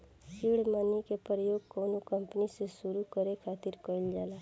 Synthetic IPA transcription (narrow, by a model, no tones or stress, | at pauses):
siɽmanikepɾəjoɡ̚kɔwnokʌmpnisesuɾukʌɾekʰat̪iɾkʌjld͡ʒala